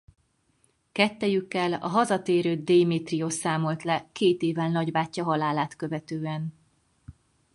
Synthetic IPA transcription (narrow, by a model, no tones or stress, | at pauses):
kɛt̪ːɛjykːɛlɒ̰ɦɒzɒt̪eːɾøːd̪eːmeːt̪riosaːmo̞lt̪lɛkeːt̪eːvɛlnɒɟbaːcːɒɦɒlaːlaːt̪køvɛt̪øːɛn